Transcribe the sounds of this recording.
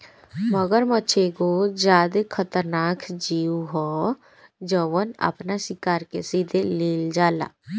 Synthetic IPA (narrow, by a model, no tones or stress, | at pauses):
məɡəɾmətːt͡ʃʰeɡod͡ʒaːd̪ekʰət̪əɾnaːkʰd͡ʒiːuɦɔː | d͡ʒəʋəna̰pnasɪkaːɾkesiːd̪eliːld͡ʒaːla̰ː